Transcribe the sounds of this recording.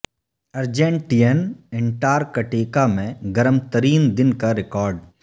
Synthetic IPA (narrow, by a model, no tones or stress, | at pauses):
ɐɾd͡ʒẽːɳʈijənɛ̃ɳʈaːɾkɐʈeːkamẽɡɐɾəmt̪əɾiːnd̪ɪnkaɾɪkɔːɾɖ